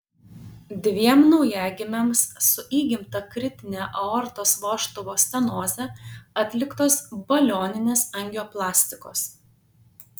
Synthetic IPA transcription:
d̪ʲʋʲiɛmnɒʊjæːɡʲɪmʲɛmsːʊʔiːɡʲɪmt̪ɐkɾʲɪt̪ʲɪnʲæːʔɐɔɾt̪oːsʋoːʃt̪ɔʋoːsʲt̪ʲɛnoːzʲɛɐt̪ʲlʲɪkt̪oːsbɐlʲoːnʲɪnʲeːsɐŋʲɡʲoːplˠɑːsʲt̪ʲɪkoːs

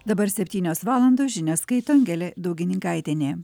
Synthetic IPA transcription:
d̪ɐbɐɾsʲɛpʲt̪ʲiːnʲoːsʋɑːlˠɐnd̪oːʒʲɪnʲoːskɐɪt̪oːŋʲɡʲɛlʲed̪ɐʊɡʲɪnʲɪŋkaɪt̪ʲenʲeː

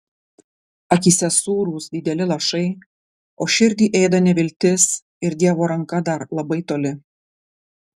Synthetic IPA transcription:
ɐkʲiːsʲɛsuːɾuːsd̪ʲɪd̪ʲɛlʲɪlˠɐʃɐɪ | oːʃʲɪɾʲd̪ʲiːʔɛɪd̪ɐnʲɛʋʲɪlʲt̪ʲɪs | ɪɾd̪ʲiɛʋoːɾɐŋkɐd̪ɐɾlˠɐbɐɪt̪oːlʲɪ

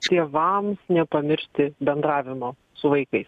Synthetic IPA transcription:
t̪ʲeɛʋɐmsnʲɛpɐmʲɪɾʲʃʲt̪ʲɪbʲɛnd̪ɾɑːʋʲɪmoː | sʊʋɐɪkɐɪs

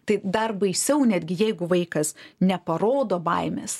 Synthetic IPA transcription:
t̪ɐɪd̪ɐrbɐɪsʲɛʊnʲæːd̪ʲɡʲɪjɛɪɡʊʋɐɪkɐsnʲɛpɐɾoːd̪oːbɐɪmʲeːs

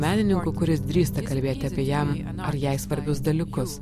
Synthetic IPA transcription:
mʲæːnʲɪnʲɪŋkʊkʊɾʲɪsd̪ʲɾʲiːst̪ɐkɐlʲbʲeːt̪ʲɪɐːpʲiɛjɛm | ɐɾjɛɪsʋɐɾʲbʲʊsd̪ɐlʲɪkʊs

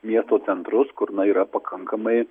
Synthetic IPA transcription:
mʲiɛst̪oːt̪sʲɛnt̪ɾʊskʊɾnɐiːɾɐpɐkʰɐŋkɐmɐɪ

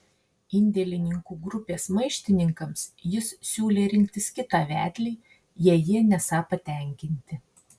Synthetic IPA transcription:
ɪnʲd̪ʲɛlʲɪnʲɪŋkuːɡɾʊpʲeːsmɐɪʃʲt̪ʲɪnʲɪŋkɐmsjɪssʲuːlʲeːɾʲɪŋʲkʲt̪ʲɪskʲɪt̪ɑːʋʲæ̰ːt̪ʲlʲiː | jiɛjiɛnʲɛsɑːpɐt̪ʲɛˑŋʲkʲɪnʲt̪ʲɪ

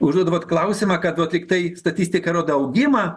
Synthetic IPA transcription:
ʊʒd̪uːd̪ɐʋoːt̪klˠɐʊsʲɪmɐkɐt̪ʋɐːt̪ɾʲɪkt̪ɐɪst̪ɐt̪ʲiːsʲt̪ʲɪkɐɾoːd̪ɐɐʊɡʲɪmɐ

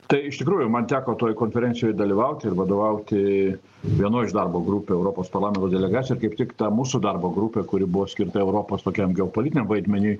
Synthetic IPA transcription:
t̪ɐɪɪʃt̪ʲɪkɾuːjʊmɐnt̪ʲæːkoːt̪oːjkoːnʲfʲɛɾʲɛnʲsʲɪjoːjd̪ɐlʲiʋɐʊt̪ʲɪɪɾʋɐd̪oːʋɐʊt̪ʲɪ | ʋʲiɛnoːɪʃd̪ɐrboːɡɾupʲeːɛʊɾoːpoːspɐɾlˠɑːmʲɛnt̪oːd̪ʲɛlʲɛɡɑːtsʲjɪɾkɐɪpt̪ʲɪkt̪ɐmuːsud̪ɐrboːɡɾupʲeːkʊɾʲɪbʊʋoːsʲkʲɪɾt̪ɐɛʊɾoːpoːst̪oːkʲɛmɡʲɛopoːlʲɪt̪ʲɪnʲɛmʋɐɪd̪ʲmʲɛnʲuː

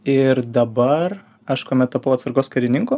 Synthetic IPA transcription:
ɪɾd̪ɐbɐr | ɐʃkoːmʲɛt̪̚t̪ɐpɐʊɐt̪sɐɾɡoːskɐɾʲɪnʲɪŋkuː

